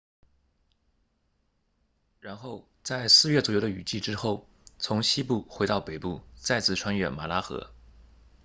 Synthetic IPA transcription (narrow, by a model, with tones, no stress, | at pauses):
ɻa˧˥nxo˥˧ʊ | t͡sa˥˧ɪsɹ̩˥˧ɥɛ˥˩t͡swɔ˨˩jd̪ə˧y˨˩t͡ɕi˥˩ʈ͡ʂɻ̩˥xo˥˩ʊ | t͡sʰʊ˧˥ŋɕi˥pu˥˩xwe˧˥ɪt̪ɑ˥˩ʊpe˨˩ɪpu˥˩t͡sa˥˧ɪt͡sɹ̩˥˩ʈ͡ʂʰwa˥nɥɛ̰˥˩nma˨˩la˥xɤ̰˧˥